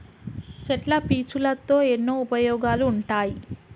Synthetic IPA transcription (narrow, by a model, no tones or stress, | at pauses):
t͡ʃɛʈlɐpiːt͡ʃulɐt̪ːo̞ːenːoːupɐjɔːɡaːluːɳʈaːji